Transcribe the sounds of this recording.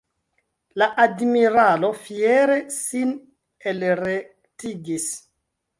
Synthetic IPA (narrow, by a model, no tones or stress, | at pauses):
laʔadmiɾalo̞fieɾe̞sin | elɾektiɡis